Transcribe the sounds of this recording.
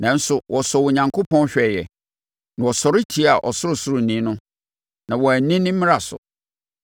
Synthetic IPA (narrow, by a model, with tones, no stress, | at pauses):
nã˨n̩˦sʊ˨wʔɔ˨sɔ˨wʊ˨ɲã˨ŋkʰo˦pʰɔ̃˦n˦ɕᶣɛ˨jɛ̰˨ | nã˨wɔ˨sɔ˨ɾɪ˦tʰi˦a˨ʔɔ˨sʊ˦ɾʊ˨sʊ˦ɾʊ˨nĩ˦nʊ̃˦ | nã˨wɔ˨æ˨nĩ˦nɪ̃˦mɪ̃˦ɾa˨sʊ̰˨